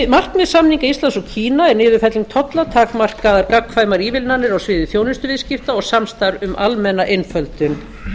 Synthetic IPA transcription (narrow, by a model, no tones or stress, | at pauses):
mar̥kmɛðsamniŋkaist̪lansɔcʰiːnaɛɾnɪːðʏɾfɛt̪liŋkt̪ʰɔt̪lat̪ʰaːkmar̥kaðaɾkakʰːfaːjmaɾiːvɪlnanːɪɾawsvɪːðʏθjownɪnst̪ʏvɪðscɪft̪aɔɣsamst̪aɾʏmʔalmɛnːaʔenfœlt̪ʏn